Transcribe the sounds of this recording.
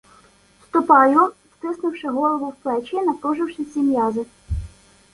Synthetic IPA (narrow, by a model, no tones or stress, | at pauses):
st̪ʊpɑjʊst̪ɪsnɪwʃɪɦɔlˠɔʋɔwplˠɛt͡ʃinɐpɾuʒɪwʃɪsʲimʲjɑzɪ